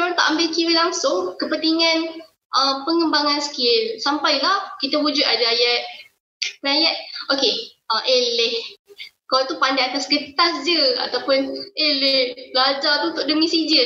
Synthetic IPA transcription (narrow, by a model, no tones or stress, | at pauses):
kaŋt̪a̰ʔambɪlkiwilaŋsʊŋkəpənt̪iŋãn | ʔəpəŋəmbaŋansə̥kɪlsampajlahkit̪əwud͡ʒʊt̪adaajat̪̚ | ajat̪̚ʔokeʔəʔelɪhkalat̪upandaat̪asɡət̪asd͡ʒəa̰t̪awpʊnelɪhblad͡ʒat̪ut̪ʊʔdəmĩsid͡ʒə